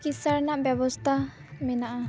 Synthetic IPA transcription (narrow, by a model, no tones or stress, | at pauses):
kisaɾnaʔbjɛbɔst̪ʰa | mɛnaʔa